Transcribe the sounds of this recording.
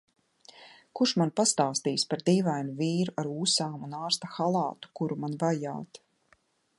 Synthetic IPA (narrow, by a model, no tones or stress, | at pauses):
kuʃmanpast̪aːst̪iːspaɾd̪iːvajnuviːɾuʔaɾuːsaːmunaːɾst̪axalˠɑːt̪u̥kuɾumanvaja̰ːt̪